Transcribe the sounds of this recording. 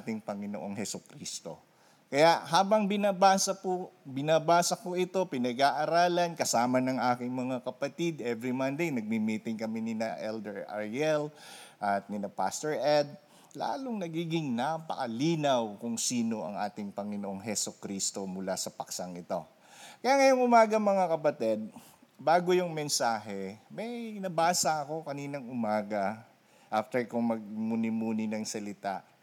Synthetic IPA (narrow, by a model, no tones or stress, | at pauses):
t̪ɪŋpɐŋɪnoʔoŋɦɛsʊkɾiːst̪o̞̰ | kɐjaʔɦaːbɐŋbɪnaːbaːsɐpʊbɪnaːbaːsɐkoʔɪt̪o̞pɪnɐɡaʔɐɾaːlɐnkɐsaːmɐnɐŋʔaːkɪŋmɐŋakɐpɐt̪id̪ʔɛvɾimɐnd̪ejnɐɡ̚mimiːt̪ɪŋkɐminɪnɐʔɛld̪ɛɹʔɐ̰ɹjɛlʔɐt̪̚nɪnɐpa̰st̪ɛɹʔɛd̪̚ | la̰ːloŋnɐɡiːɡɪŋnapɐ̰kɐliːnɐwkʊŋsiːno̞ʔɐ̰ŋʔaːt̪ɪŋpɐŋɪnoʔo̞ŋɦɛsokɾiːst̪o̞mʊlasɐpɐksɐŋɪt̪o̞ | kɐjaŋɐjoŋʊmaːɡɐmɐŋakɐpɐt̪ɛd̪̚ | baːɡojʊŋmɛnsaːɦɛmɐjnɐbaːsɐɐko̞kɐniːnɐŋʊmaːɡɐ | ʔaft̪ɛɹkʊŋmɐɡ̚munɪmuːnɪnɐŋsɐlɪt̪aʔ